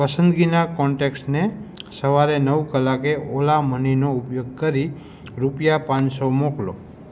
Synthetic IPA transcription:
pəsənd̪ɡinakɔɳʈeksʈnesəʋaɾenəʋkəlːakeolaməninoupjoɡ̚kəɾi | ɾupjapãnsomoklo̰

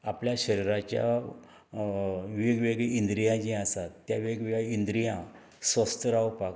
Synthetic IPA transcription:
apljaɕəɾiɾat͡ɕja̰ | ʋeɡʋeɡɭeind̪ɾijãd͡ʑɛ̃asat̪ːjaʋeɡʋeɡɛind̪ɾijã | sʋəst̪əɾawpa

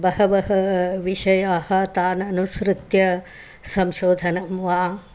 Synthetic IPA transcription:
bɐhɐbɐɦɐʋiʃɐjaːhɐ̆t̪aːnɐnusɾut̪jɐ | sɐmʃoːd̪ʱɐnɐmʋaː

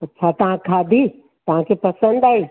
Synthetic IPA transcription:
ɐtːt͡ʃʰat̪ɐɦãkʰaːd̪ʱi | t̪ɐɦãkʰepɐsə̃nd̪aːiː

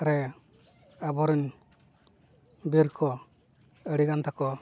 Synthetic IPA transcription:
ɾɛ | abɔɾin | biɾkʰɔ | əɽiɡant̪akɔ

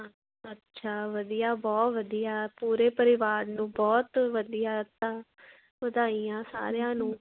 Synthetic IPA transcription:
ətːʃʰaːʋəd̪ijaːbɔːt̪ʋəd̪ijaːpuːɾeːpəɾɪʋaːɾnũːbɔːt̪ʋəd̪ijaːt̪ːãː | ʋəd̪aːiːãːsa̰ːɾjãːnũː

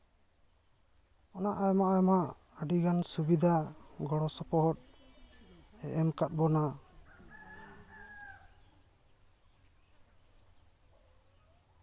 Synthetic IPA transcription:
ɔnaʔajmaʔajɔmaʔ | əɖiɡansubid̪ʱaɡɔɽɔsɔpɔɦɔt̪̚ | ɛʔɛmkat̪̚ˀbɔna

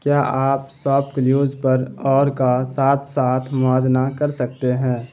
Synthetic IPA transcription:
kjaːʔaːpsɔːpkəljuːzpəɾɔːɾkasaːt̪ʰsaːt̪ʰmʊaːd͡ʒnakɐɾsək̚t̪eɦɛ̃ː

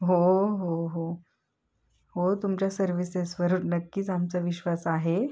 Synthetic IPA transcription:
ɦoɦoɦo | ɦot̪umt͡ɕjasəɾʋisesʋəɾunnəkːiːt͡samt͡saʋiɕʋasaɦe

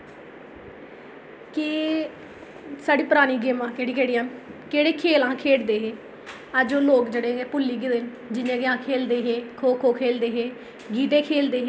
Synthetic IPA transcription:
ki | saːɖiːpəɾaːniːɡeːmãːkeːɽiːkeːɽiːaːnkeːɽeːkʰeːlãːkʰeːɽd̪eːɦeː | əd͡ʒoːloːkd͡ʒeːɽẽːɛːpʊlːiːɡɪd̪ɪn | d͡ʒɪnẽːɡɪãːkʰeːld̪eːɦeːkʰoːkʰoːkʰeːld̪eːɦeː | ɡiːt̪eːkʰeːld̪eːɦeː

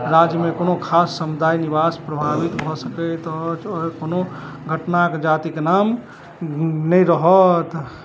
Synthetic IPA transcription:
ɾad͡ʒjəmekonokʰasːəmud̪ʱainibaspɾəbʱabit̪bʱɔsəkɛt̪t͡ʃɔkono | ɡʱəʈnaked͡ʒat̪iknam | nəiɾəɦɔt̪

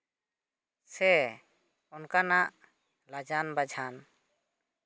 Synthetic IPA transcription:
sɛ | ɔnkanaʔ | lad͡ʒanbad͡ʒʱan

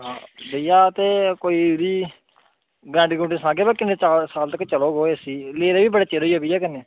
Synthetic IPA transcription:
ɦã̰ːbəijaːt̪eːkoːiːɾiː | ɡɛ̃ːɳɖiɡʊ̃ɳʈesãːɡeːpəɾkɪnet͡ʃaːsaːlt̪əkːt͡ʃəloːɡoːeːəsiːleːɾeːʋiːbəɽaːt͡ʃeːɾoiːɦoːbiːɛːkəneː

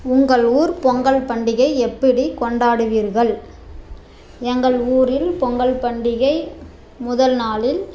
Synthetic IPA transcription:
ʊŋɡɐɭuːɾpɔŋɡɐɭpɐɳɖɪɣɐɪɛpːɐɽikɔɳɖaːɽɯʋiːɾɣɐɭ | ɛŋɡɐɭuːɾɪlpɔŋɡɐɭpɐɳɖɪɣɐɪ | mʊðɐlnaːlɪl

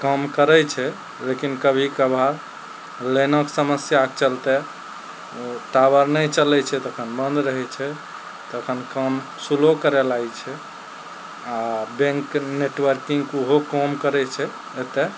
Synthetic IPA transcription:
kəmkəɾɛt͡ʃʰɛ | lekinkəbʱikəbʱaɾ | lenɔksəməsjak̚t͡ʃəlt̪ɛ | t̪abəɾnɛt͡ʃəlɛt͡ʃʰɛt̪əkʰənbənd̪ɾəɦɛt͡ʃʰɛ | t̪əkʰənkəm | sulokəɾelajt͡ʃʰɛ | abẽŋkneʈwəɾkiŋɡuɦokəmkəɾɛt͡ʃʰɛ | et̪ɛ

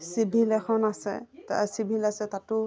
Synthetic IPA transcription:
sibʱilɛkʰɔnasɛ̰ta̰sibʱilasɛtatʊ

